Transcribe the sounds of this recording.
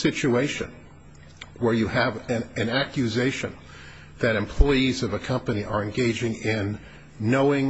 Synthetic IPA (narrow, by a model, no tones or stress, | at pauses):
sɪt͡ʃueɪʃɨ̰̃n | wə˞jɨɨvɨ̃ɨ̃nækjɨzeɪʃɨ̰̃n | ðɨɾɨ̃mpʰl̥ɔɪizʌvɨkʰʌ̃mpɨniʔə˞ɨ̃nɡeɪd͡ʒɪ̃ŋɪ̃nː | oʊɪ̃ŋ